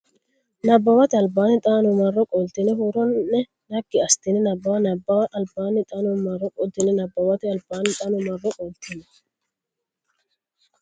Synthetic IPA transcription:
nɐbːɐwɐt̪ɪɐlbaːnɪt̪ʼaːnʊmɐrːɔkʼɔlt̪ɪnɛɦʊɾɔnːɛ | nɐɡːɪɐst̪ɪnɛnɐbːɐwɐnɐbːɐwɐlbaːnɪt̪ʼɐnʊmɐrːɔkʼɔd̪ɪnɛnɐbːɐwɐt̪ɪɐlbaːnɪt̪ʼɐnʊmɐrːɔkʼɔlt̪ɪnɛ

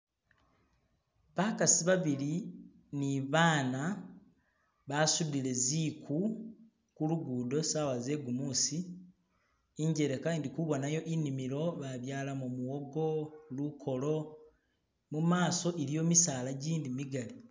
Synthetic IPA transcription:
βaːkasiβaβili | niβaːna | βasudile̞zikʰu | kuluɡuːdo̞saːwaze̞ɡumusi | iɲɟe̞ɾekandikuβo̞najo̞ʔinimiɾo̞βaβjaːlamumuwo̞ɡo̞lukʰo̞lo̞ | mumaːso̞ʔilijo̞misaːlaɟiːndimiɡali

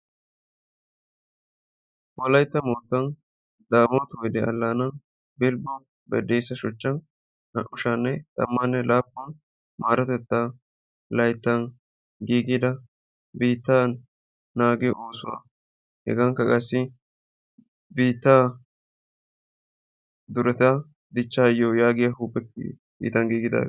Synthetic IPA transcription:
wɔlɐjt̪ːɐmoːt̪ːɐn | d̪aːmot̪ʊwjd̪ɛɐ̰lːaːnɐn | bɪlbɔn | bɛ̰d̪ejsːɐʃɔt͡ʃːɐn | hɐ̰ʔʊʃɐnːɛt̪ʼɐ̰mːɐnːɛlaːpːɔn | maːɾɐt̪ɛt̪ːa | lɐjt̪ːɐn | ɡiːɡɪd̪ɐ | biːt̪ːan | naːɡɛʔoːsʊwa̰ | hɛ̰ɡɐŋkːɐkʼɐsːɪ | biːt̪ːa | d̪ʊɾɛt̪ɐ | d̪ɪt͡ʃːaːjojaːɡɪjɐhuːpːɛt̪ːɪ̰ | bḭːt̪ːɐnɡiːɡɪd̪a̰ː

